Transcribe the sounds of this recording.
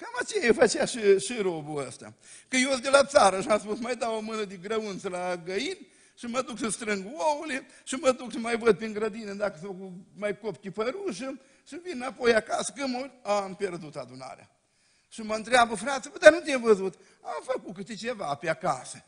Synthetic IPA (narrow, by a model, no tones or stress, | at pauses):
kamat͡ʃejaefət͡ʃeaʃiʃiɾobuəst̪a̰ | kɨjosd̪elat̪saɾəʃiamspusmajd̪awomɨnəd̪eɡɾəɨnt̪səlaɡəjinʲ | ʃiməd̪uksəst̪ɾɨŋɡoule | ʃiməd̪ukʃimajvəd̪̚peŋɡɾəd̪ined̪akəskumajkopkʲipəɾuʃə | ʃivinnapo̞jakasə̥kɨmoɾʲampe̞rd̪ut̪ad̪una̰ɾea̰ | ʃiməɨnt̪ɾeabəfɾat̪səkud̪anut̪iemvəzut̪ | amfəkut̪kɨt̪et͡ʃevapeaka̰sə